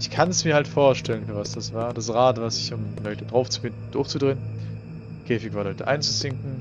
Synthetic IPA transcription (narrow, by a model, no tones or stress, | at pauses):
ʔɪçkʰansmiːɐhaltfoːɐʃtʰɛlənfyːɐvasd̥asv̥aːɐd̥asʁaːtvasɪçʊmlɔʏtədʁaʊft͡su̥fɪndn̩d̥ʊɐxt͡sudʁeːən | kʰɛːfɪkv̥aːlɔʏtəʔa̰ɪnt͡su̥t͡sɪŋkŋ̩